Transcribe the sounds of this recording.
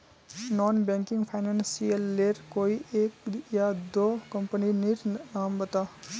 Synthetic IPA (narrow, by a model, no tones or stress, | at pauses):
nɔnbãŋkiŋɡpʰajnansijʌlːeɾkoiʔekjad̪okʌmpəniniɾambʌt̪a